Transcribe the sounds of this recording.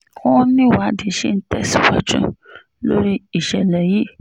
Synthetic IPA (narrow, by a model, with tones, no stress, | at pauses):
kɔ̃˦nĩ˦˨wa˨˦di˨ʃe˦n̩˦tɛ˦si˨wa̰˦d͡ʒṵ̃˦ | lo̰˦ɾi˦i˨ʃɛ˨lɛ˨ji˦